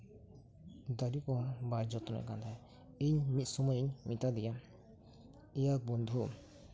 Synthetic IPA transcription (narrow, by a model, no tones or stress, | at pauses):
d̪aɾipɔbaɾd͡ʒɔt̪ɔna̰jkand̪ʰa | iɲmit̪̚sɔmɔjiɲmit̪ad̪ija | ijak̚bɔnd̪ʱu